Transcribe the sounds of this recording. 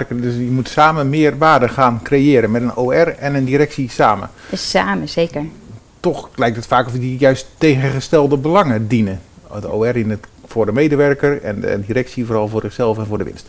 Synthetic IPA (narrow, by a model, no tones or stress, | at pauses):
rkədsjəmutsaːməmɪːərʋaːdəχaːnkrejɪːɾənmɛtənoɛrɛnəndiɾɛksisaːmə̰saːməseːkəɹ | tɔxlɛjktətfaːkɔfədijœɥstːeːɣəχəstɛlˠdəbəlɑŋədinədəo̰ːɛrinəfʊːrdəmejdəʋɛrkərɛ̰n̰diɾɛksivoːrɑlˠvʊːrzɪχsɛlˠfɛnvʊːdəʋɪ̰nst